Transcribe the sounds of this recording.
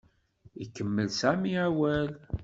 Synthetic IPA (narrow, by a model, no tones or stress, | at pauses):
ikːəmːəlsæmiæwæl